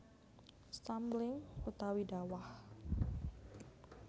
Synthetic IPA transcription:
st̪amblɪŋut̪awidawah

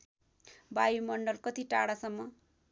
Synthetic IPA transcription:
bajumʌɳɖʌlkʌt̪iʈaɽasʌmːʌ

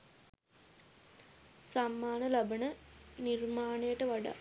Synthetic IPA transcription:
samːaːnəlabənənirmaːnejəʈəʋaɖa̰

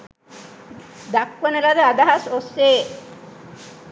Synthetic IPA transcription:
d̪akʋənelad̪ead̪aɦasoseː

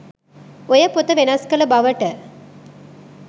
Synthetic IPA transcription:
ɔjɐpʊt̪ːɐʋenɐskɐlɐbɐʋɐʈːɐ

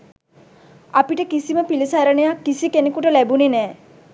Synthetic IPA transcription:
apiʈəkisiməpilisaɾənejakːisikenekuʈəlæbunenɛː

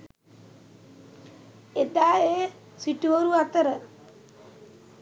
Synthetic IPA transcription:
et̪aːeː | siʈuoɾuat̪əɾə

